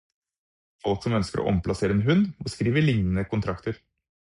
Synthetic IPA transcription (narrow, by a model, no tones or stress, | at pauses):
ɑlksɔmœnskəɾʔo̰ːʔɔ̰mpʰlɑseːɾəeːnɦʉnoːskɾiːʋəɭɪŋnən̩əkʰʊnt̪ʰɾɑkt̪əɾ